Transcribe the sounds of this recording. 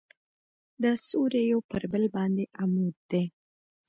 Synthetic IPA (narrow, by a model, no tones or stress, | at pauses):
d̪əsuɾejopəɾbəlbɑnd̪eʔamud̪̚d̪e